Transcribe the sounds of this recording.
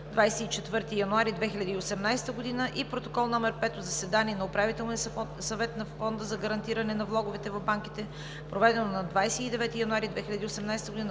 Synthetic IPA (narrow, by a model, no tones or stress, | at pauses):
d̪vajsɛit͡ʃɛt̪vɤɾt̪ijɐnʊaɾid̪vɛxilʲɐd̪iːosɛmnajst̪əɡod̪inəʔipɾot̪okɔlˠnɔmɛɾpɛt̪ozɐsɛd̪aniɛnɐopɾavit̪ɛlˠni | sɐvɛt̪nɐfɔnd̪əzɐɡɐɾɐnt̪iɾɐnɛnɐvlˠɔɡʊvɛt̪ɛvɐvbaŋkit̪ɛ | pɾovɛd̪ɛnonɐd̪vajsɛid̪ɛvɛt̪ijɐnʊaɾid̪vɛxʲilʲɐd̪iosɛmnajsɛt̪əɡoʊd̪in